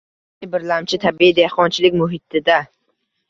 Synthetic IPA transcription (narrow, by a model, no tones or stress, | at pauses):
ɪbɪɾlamt͡ʃʰɪt̪ʰabiid̪ehqɒnt͡ʃʰɪlɪkʲmʊɦɪt̪ʰɪd̪a